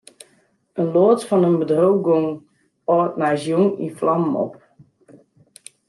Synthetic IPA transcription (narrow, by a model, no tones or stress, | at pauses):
ənloːtfɔnənbədrowɡoŋ | ɔt̚majzjuŋḭflɑmmɔ̰p̚